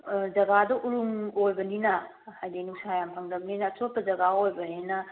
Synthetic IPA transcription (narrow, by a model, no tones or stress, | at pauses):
d͡ʒɐɡadɐʔuɾuŋojbɐninɐ | hajdenusaajampʰɐŋdɐbninɐːtot̚pːɐd͡ʒɐɡaojbɐɦenɐ